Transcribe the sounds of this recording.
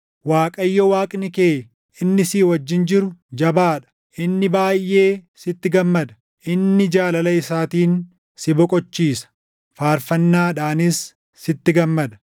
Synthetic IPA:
waːkʼɐjːɔwaːkʼnɪkeː | ɪnːɪsiːwɐd͡ʒːɪnd͡ʒɪɾʊd͡ʒɐbaːᶑɐ̥ | ʔɪnːɪbaːjːe̞ːsɪt̪ːɪɡɐmːɐd̪ɐ̥ | ʔɪnːɪd͡ʒaːlɐlɐɪsaːt̪iːn | sɪbɔkʼɔt͡ʃːiːsɐ̥ | faːɾfɐnːaːᶑaːnɪsː | ɪt̪ːɪɡɐmːɐd̪ɐ̥

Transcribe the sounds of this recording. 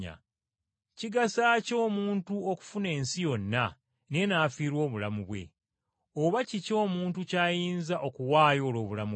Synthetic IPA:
a̰ | ciɡasaːco̞ːmuːntuoku̥fune̞ːnsijo̞nːa | ne̞naːfiːɾwo̞ːβulamuβwe̞̰ | oβacico̞ːmuːntucaːjiːnzaʔo̞kuwaːjo̞ːlo̞ːβulamu

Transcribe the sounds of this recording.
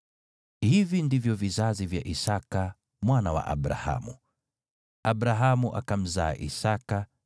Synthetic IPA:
hivindivjɔvizazivjaʔisaka | mwanawa̰ʔa̰ɓɾa̰ha̰mu | aɓɾaɦamuʔa̰kam̩za̰ːʔisaka

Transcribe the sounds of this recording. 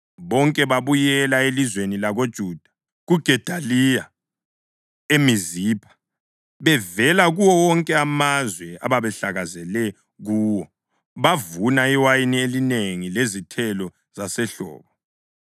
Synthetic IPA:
βɔŋkʼɛβaβujɛlaelizwenilaɣod̥ʒ̥ʱuːd̥ʱḁ | ɣuɡ̥ʱɛd̥ʱalija | emiziːpʰḁ | βɛvɛlaɣuwɔwɔŋkʼɛamazwɛa̰βaβɛɬaɣazɛlɛ | ɣuːwɔ | βavunaiwajinielineŋilezitʰɛlɔ | z̥asɛɬɔ̰ːβɔ

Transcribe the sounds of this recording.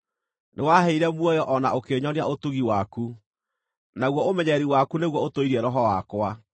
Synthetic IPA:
newaɦɛiɾɛmwɔjɔʔɔnaokeɲɔniaotuɣiwaku | naɣwɔomɛɲɛɾiwakuneɣwɔotoiɾɛɾɔɦɔwakwa

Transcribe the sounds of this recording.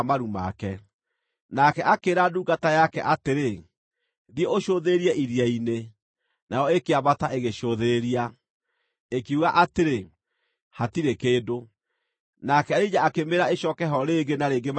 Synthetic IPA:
maɾuma̰kɛ | nakɛʔakeɾaduːɡatajakɛ̰ʔateɾe | ðijeoʃoðeeɾiɛʔiɾiaine | najɔekeaβataʔeɣeʃoðeeɾia | ekiuɣaʔateɾe | hatiɾekeːdo | nakɛaɾid͡ʒaakemeɾaeɕɔkɛɦɔɾeːɡenaɾeːɡem

